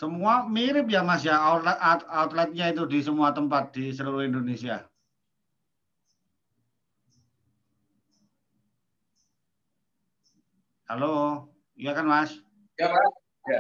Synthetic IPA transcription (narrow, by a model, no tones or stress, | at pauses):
səmuamiɾɪp̚jamasjaat̪laat̪at̪lat̪̚ɲait̪̬ud̪i̤səmuat̪əmpat̪̚d̪̥isəluɾuhind̪onesia | halo | ijakanmas | jaa | ja